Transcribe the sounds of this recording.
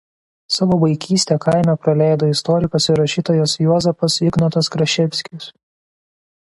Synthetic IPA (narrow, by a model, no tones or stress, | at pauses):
sɑːʋoːbɐɪkʲʰiːsʲt̪ʲɛːkɐɪmʲɛpɾɐlʲæˑɪd̪oɪst̪ɔːɾʲɪkosʲɪɾɐʃʲiːt̪oːjoːsjuɔzʲɛfɐsɪɡnoːt̪ɐskɾɐʃʲɛpʲsʲkʲɪs